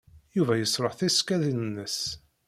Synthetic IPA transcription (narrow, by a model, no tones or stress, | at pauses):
juvæjəsˤɾˤoħθiskæðinnːəs